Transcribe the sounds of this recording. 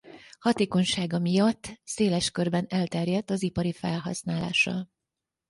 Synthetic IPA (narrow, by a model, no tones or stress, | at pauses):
hɒt̪eːko̞ɲʃaːɡɒmijɒt̪ːseːlɛʃkørbɛnɛlt̪ɛrjɛt̪ːɒzipɒɾifɛ̰lɦɒ̰snaːla̰ːʃɒ̰